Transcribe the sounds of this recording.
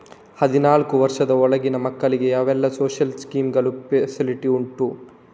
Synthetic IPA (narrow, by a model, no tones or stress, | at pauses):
hɐd̪inaːlkuʋɐɾʂɐd̪ɐɔɭɐɡinɐmɐkːɐɭiɡe̞jaːʋɛlːɐsoːʃɐlskiːmɡɐɭupesiliʈiuɳʈu